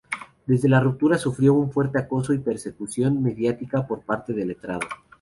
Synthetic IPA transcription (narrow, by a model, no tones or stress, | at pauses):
d̪e̞zðe̞larup̚t̪uɾasufɾjo̞uɱfwe̞ɾt̪e̞ako̞so̞ipe̞ɾse̞kusjo̞nme̞ðjat̪ikapo̞ɾpaɾt̪e̞ðe̞le̞t̪ɾaðo̞